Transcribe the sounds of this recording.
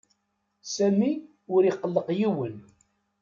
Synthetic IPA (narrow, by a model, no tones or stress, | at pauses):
sæmi | ʊɾiqːəlːəqjiwən